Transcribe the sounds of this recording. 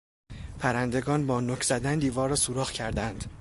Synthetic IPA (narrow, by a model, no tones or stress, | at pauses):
pʰæɾænd̪e̞ɡɒːnbɒːnocʰz̥æd̪ænd̪iːvɒːɾːɒːsuɾɒːχcʰæɾd̪ænd̪